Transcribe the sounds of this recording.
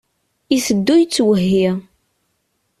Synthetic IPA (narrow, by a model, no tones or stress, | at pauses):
isəd̪ːujt͡sːwəɦːi